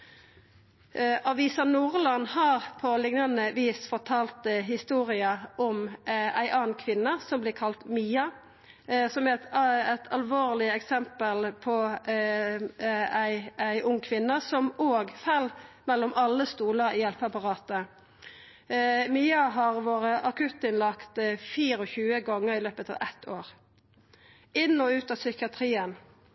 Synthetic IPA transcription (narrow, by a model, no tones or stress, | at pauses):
ʔɑʋiːsɑnuːʁlɑnhɑːʁpʰɔlɪŋnɑnəʋiːsfɔʁt̪ʰɑːlt̪əɦɪst̪uːʁɪɑʔɔmæɪʔɑːn̩kʰʋɪnːɑsɔmblɪːʁkʰɑlt̪miːɑ | sɔmæɛt̪ʰɑlʋoːʁlɪɛksɛmpəlpʰɔ | æɪæɪʔʊŋːkʰʋɪnːɑsɔmoːɡfælmɛlːɔmʔɑlːəst̪uːləʁijɛlpəɑpɑʁɑːt̪ə | miːɑɦɑʁʋoːʁəʔɑkʰʉt̪ːɪnlɑkt̪fiːʁɔçʉːəɡɔŋːəʁɪløːpət̪ɑ̰ːʋɛt̪ʰoːʁ | ɪnːɔʉːt̪ɑːsʏkɪɑt̪ʰʁiːən